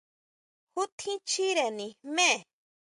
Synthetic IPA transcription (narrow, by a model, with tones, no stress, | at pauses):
hu˦t̪ʰĩ˦t͡ʃʰi˦ɾe˨nĩ˨mẽ˦˨